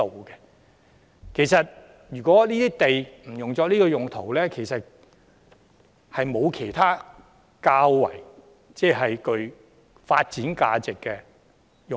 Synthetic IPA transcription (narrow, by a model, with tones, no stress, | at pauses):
o˨wkɛ˧ | kʰe˨˩jsɐ˨t̚ | jyː˨˩kɔː˨˥liː˥t̪iː˥t̪e˨jm̩˨˩jʊ˨ŋt͡sɔː˧k̚niː˥kɔː˧jʊ˨ŋt̪ʰo˨˩wlɛː˥kʰe˨˩jsɐ˨t̚ | hɐ˨jmo˨˧wkʰe˨˩jt̪ʰaː˥ | kaː˧wːɐ̰˨˩j | t͡sɛː˥˩ɦɐ˨jkɵ˧ɥ | faː˧t̚t͡siː˨˥nka̰ː˧t͡sɪ˨kːɛ˧ | jʊ˨